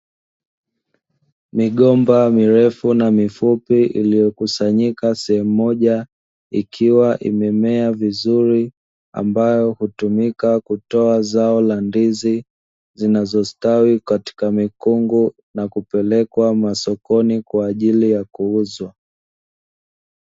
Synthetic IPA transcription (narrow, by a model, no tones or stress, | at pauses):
miɠɔmbamiɾɛfunamifupiʔḭlijɔkusaɲikasɛhɛmuːɔʄa | ikʰiwaʔḭmɛmɛavizuɾi | a̰mbajɔhutumikakutɔazaɔlandizi | zinazɔstawikati̥kamikuŋɡu | nakupɛlɛkwamasɔkɔnikwaːʄilijakuuzwa